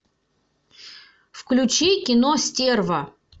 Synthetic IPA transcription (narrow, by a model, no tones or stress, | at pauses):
fklʲut͡ɕikʲɪnosʲtʲervɐ